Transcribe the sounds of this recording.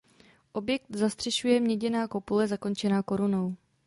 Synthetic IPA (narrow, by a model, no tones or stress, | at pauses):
ʔo̞bjɛk̚t̪zast̪r̝̥ɛʃujɛmɲɛɟɛnaːko̞pulɛzako̞nt͡ʃɛnaːko̞ɾuno̞w